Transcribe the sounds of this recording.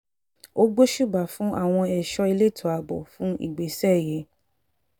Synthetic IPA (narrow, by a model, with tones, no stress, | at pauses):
o˦ɡ͡bo˦ʃu˦˨ba˨fũ˨˦ʔa̰˦˨w̃ɔ̃˧ɛ˨ʃɔ˧i˧le˦˨tʰɔ˨˦a˨bɔ̰˨fũ˦ʔḭ˦˨ɡ͡be˨sɛ˦˨je˨˦